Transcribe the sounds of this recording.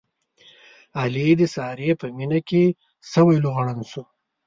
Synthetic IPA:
alid̪əsɑɾepəminake | sawajluɣaɽansu

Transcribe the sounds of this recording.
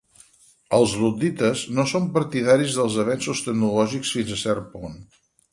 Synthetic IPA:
əlˠzrud̪it̪əznosompəɾt̪iðaɾizðəlˠzəβ̞ɛnsust̪əɡ̚nulɔʒiksfinzəsɛrpun

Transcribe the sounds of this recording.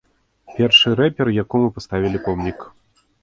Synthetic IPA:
pʲɛrʂɨɾɛpʲɛrjakɔmɨpast̪avʲilʲipɔmnʲik

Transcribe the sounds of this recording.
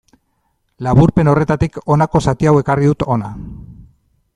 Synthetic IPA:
laβuɾpe̞no̞re̞t̪at̪iko̞nako̞sat̪iawe̞kariðut̪o̞na

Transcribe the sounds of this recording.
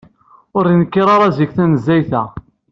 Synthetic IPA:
ʊɾinkːiɾˤaɾˤɑzikθænəzːæjθæ

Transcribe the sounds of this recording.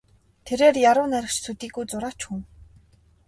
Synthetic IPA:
t̪ʰeɾeːrjaɾʊːnæɾʲɪ̆kt͡ɕsut̪iːɡujt͡sʊɾaːt͡ɕxuŋ

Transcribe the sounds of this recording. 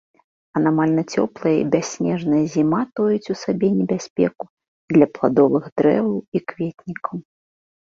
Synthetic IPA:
ɐnamalʲnɐt͡sʲɔ̰plˠɐjɐḭbʲasʲnʲɛʐnɐjɐzʲimat̪ɔjut͡sʲusabʲɛnʲɛbʲasʲpʲɛ̰ku | d̪lʲɐplˠa̰d̪ɔvɨɣd̪ɾɛ̰vɐwikvʲet̪ʲnʲikɐw

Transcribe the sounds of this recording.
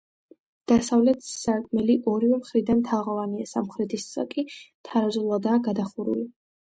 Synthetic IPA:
d̪̥asavlɛt̪ʰsakʰʼmɛliʔɔɾivɛmχɾid̪anmt̪ʰaʁɔvaniasamχɾɛt̪ʰissa̰kʼit̪ʰaɾazulˠad̪aːɡad̪aχuɾṵli

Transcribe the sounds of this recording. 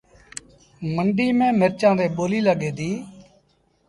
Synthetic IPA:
məɳɖiːmẽːməɾt͡ʃãːd̪eːɓoːliːləɡeːd̪iː

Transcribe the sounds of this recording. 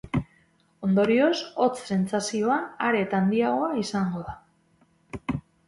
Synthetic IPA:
o̞nd̪o̞ɾio̞so̞t͡sse̞nt͡sasio̞aaɾe̞t̪and̪iaɣo̞aisaŋɡo̞ða

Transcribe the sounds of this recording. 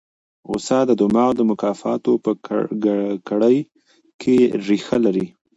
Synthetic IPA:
ʊ̰sɑd̪əd̪ʊmɑwd̪əmʊkɑfɑt̪opəɡkaɽəj | kʰeɾixalaɾi

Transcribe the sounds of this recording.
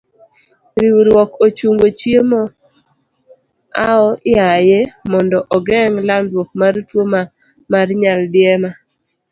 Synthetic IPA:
ɾiwɾwɔkot͡ʃuŋɡot͡ʃjemɔ | aɔʔɪajemɔndɔʔɔɡɛŋlandwok̚maɾtwoma | maɾɲaldɪɛma

